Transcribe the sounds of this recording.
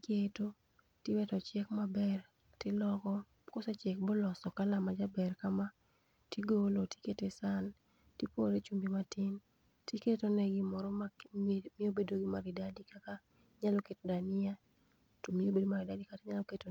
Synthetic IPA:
keto | tiwɛtɔt͡ʃɛkmabɛr | tɪlɔkɔ | kosɛt͡ʃɛk̚bolɔsɔkalamad͡ʒabɛrkama | tiɡoloti̥ketesan | tipoɾet͡ʃumbimatɪn | tiketonɛɡɪmɔɾɔmamɪobedoɡimaɾɪdadikaka | ɲalɔketodanɪa | tomɪobedomaɾɪdadikatɪɲaloketo

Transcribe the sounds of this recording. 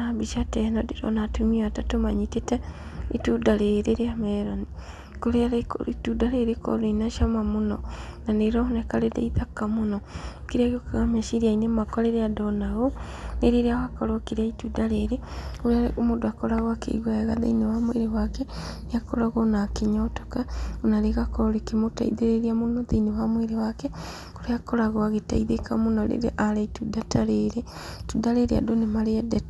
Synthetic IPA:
nabiʃatɛnɔdiɾɔ̰natumiatatomaɲitetɛitudaɾeɾeɾeamɛɾoni | koɾeaɾkitudaɾeɾekɔ̰ɾoinaʃamamonɔnaneɾɔnɛkaɾedḛiðakamonɔkiɾiaɣokaɣamɛʃiɾiainemakɔɾeɾeadɔnaɣo | neɾeɾeawakɔɾokeɾiaitudaɾeɾeoɾaɾeʔomudoakoɾaɣwakḛḭɣwaeɣaða̰inewamweɾewakeneakoɾaɣonakiɲotokaonaɾeɣakoɾoɾekimota̰iðeɾeɾiamunoðainewamweɾewake | koɾeakoɾaɣoaɣeta̰iðekamunonḛɾḛʔalaitudataɾeɾe | tudaɾeɾea̰donemaɾeadet

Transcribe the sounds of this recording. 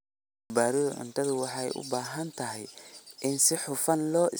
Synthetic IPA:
baːɾɪðʊʕʊ̰nt̪ʰɐðʊwɑħɑɛ̰jʔʊ̰baːɦɐnt̪ʰɐɦɛjʔɪnsɪħʊfɐnlɔːʔɪ

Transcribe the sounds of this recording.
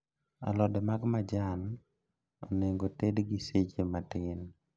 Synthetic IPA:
a̰lɔdɛmaɡmad͡ʒan | oneŋɡotedɡiset͡ʃematɪn

